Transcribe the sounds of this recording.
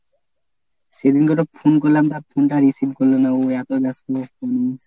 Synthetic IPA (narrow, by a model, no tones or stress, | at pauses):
sed̪inɡɔʈopʰunkoɾlamt̪aɾpʰunʈaɾisibkoɾlonaoɛt̪oɡast̪oɔnos